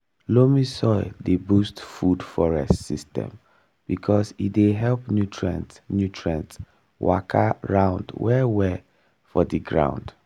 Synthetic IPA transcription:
lomisɔɪdebustfudfɔɹɛstsistɛ̰̃m | b̥ikʰɔsideɦɛlpnjutʰɹã̰ntnjutʰɹãnts | wa̰kʰaɹãʊ̃ndwɛwɛ | fɔdiɡɹã̰ʊ̃nd̥

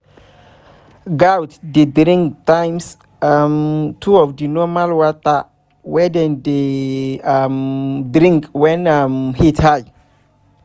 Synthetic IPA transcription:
ɡawtdedɾĩŋktãjms | amtʰuɔvdinɔmalwɔta | wɛdɛ̃nde | amdɾĩŋkwɛ̃namhitʰhaj

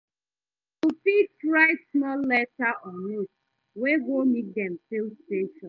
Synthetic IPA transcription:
tupitɹaɪsmɔlːɛtaʔɔnut | weɡomit̚dɛ̃mfilsteʃɔ̃n

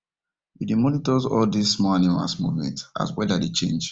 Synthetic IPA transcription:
idemɔnitɔzɔldismɔanima̰lsmomɛ̰̃nta̰zwɛdadet͡ʃẽnd͡ʒ

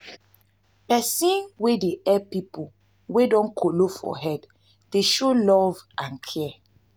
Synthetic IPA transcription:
pɛsĩnwedeɛpipo | wedɔ̃nkʰolofɔ̰ɦɛd | deʃolɔvʔãnkʰɛ

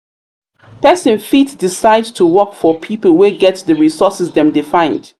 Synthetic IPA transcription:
pɛsə̃nfitdisaɪdtʰuwɔkfɔpʰipəlˠweɡɛtsðəɹisɔsɪsðɛ̃mdɪfãɪ̃nd̥

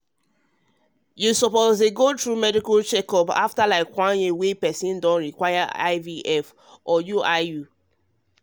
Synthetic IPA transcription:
jusɔpozeɡotɹumɛdikɔlt͡ʃɛkɔpa̰ftalaɪkwãnewepɛsĩndɔ̃nɹikwaɪaa̰ɪviʔɛf | ʔɔjuaɪju

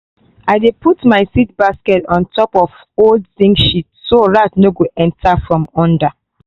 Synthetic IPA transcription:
aɪdepʰutmaɪsit̚baskɛtɔ̃ntʰɔpɔf | oldsĩŋɡʃitsoɹatnoɡoʔɛ̃ntʰafɹɔ̃mɔ̃nda

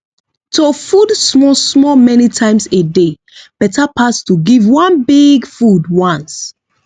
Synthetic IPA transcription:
tofudsmɔsmɔmɛnitʰãɪ̃msede | b̥ɛtapʰastuɡivwãnbiɡfudwãns

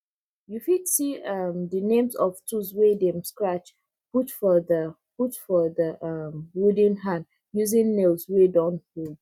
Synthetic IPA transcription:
jufidsiʌmðənẽmzɔv̥tʰuzwedɛ̃mskɹat͡ʃ | putfɔðə | putfɔðəʔʌmwudĩnɦãn | juzɪ̃ŋnelzwedɔ̃nfud

